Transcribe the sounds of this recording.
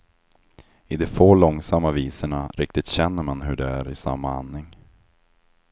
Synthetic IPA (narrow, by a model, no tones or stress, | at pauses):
ɪd̪ɛfoːlɔŋsamːaviːsəɳaɾʔɪk̚t̪ɪt̪ɕɛnːəɾmanɦɵɖɛæɾɪsa̰mːaanːɪŋ